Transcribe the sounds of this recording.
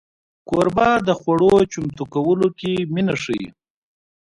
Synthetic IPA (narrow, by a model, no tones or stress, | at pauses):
koɾbɑd̪əxwaɽot͡ʃʊmt̪ukawəlokeminaʂəḭ